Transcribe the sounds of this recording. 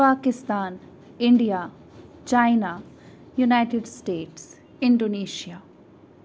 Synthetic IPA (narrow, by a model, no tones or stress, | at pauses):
paːkɪst̪aːn | ɪɳɖijaː | t͡ʃaːɪna | junaɪʈeɖsʈeːʈs | ɪ̃ɳɖoneːʃijaː